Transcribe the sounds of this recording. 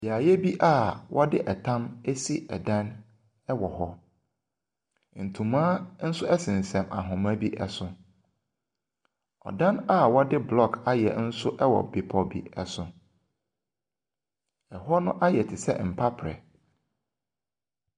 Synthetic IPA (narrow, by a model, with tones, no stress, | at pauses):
ja˨jɛ˦bi˦ʔa˦˨wʔɔ˦dɪ˦ʔɛ˨tʰã˦me˦si˦ʔɛ˨dã˦n | ɛ˦wɔ˨hɔ˦ | n̩˨tʰũ˨mãː˦n̩˦sʊ˦ɛ˦sɪ̃˨n˨sɛ̃˨ma̰˨ɦʊ̃˨mã˦bi˦ʔɛ˦sʊ̃˦ | ɔ̰˨dã˦na˦˨wɔ˦dɪ˦blɔ˦˨kʰa˦jɛ̰˨n̩˦sʊ˦ʔɛ˦wɔ̰˨bɪ˨pʰɔ˦bḭ˦ɛ˦sʊ̃˨ | ɛ˨ɦɔ˦nʊ̃˦ʔa˦jɛ˨tʰɪ˨sɛ̰˦m̩˨pʰa˦pʰɾɛ̰˨